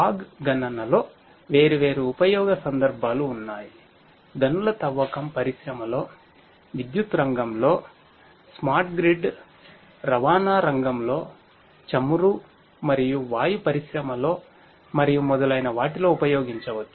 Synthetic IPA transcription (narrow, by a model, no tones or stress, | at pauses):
aːɡɡɐnɐnɐlo̞ː | ʋe̞ːɾiʋe̞ːɾuːpɐjɔːɡɐsɐnd̪ɐɾbʱaːluːnːaːji | d̪ɐnulɐt̪ɐʋːɐkɐmpɐɾiʃɾɐmɐlo̞ː | ʋid̪jut̪ɾɐŋɡɐmlo̞ː | smaːɾʈ̚ɡɾiɖ | ɾɐʋaːnaːɾɐŋɡɐmlo̞ː | t͡ʃɐmuɾu | mɐɾijuʋaːjupɐɾiʃɾɐmɐlo̞ː | mɐɾijumɔd̪ɐlɐjnɐʋaːʈilo̞ːupɐjoːɡiɲt͡ʃɐʋɐt͡ʃːu̥